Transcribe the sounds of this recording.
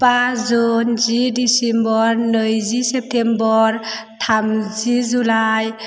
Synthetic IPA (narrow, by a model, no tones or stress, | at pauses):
pazunzidisɛmbɔɾnɯjzisɛp̚tʰembɔɾtʰamzizulaj